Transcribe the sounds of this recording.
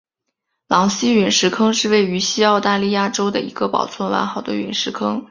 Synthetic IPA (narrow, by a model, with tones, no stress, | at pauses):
lɑ˧˥ŋɕi˥ɥy˨˩nʂɻ̩˧˥kʰɤ˥ŋʂɻ̩˥˧we˥˩ɪy˧˥ɕi˥ɑ˥˧ʊt̪a˥˧li˥˧ja˥˩ʈ͡ʂo˥ʊd̪ə̰˨i˧˥ɡ̥ə˧pɑ̰˨˩ʊt͡sʰwə˧˥nwa̰˧˥nxɑ˨˩ʊd̪ə̰˦ɥɛ̰˨˩nʂɻ̩˧˥kʰɤ˥ŋ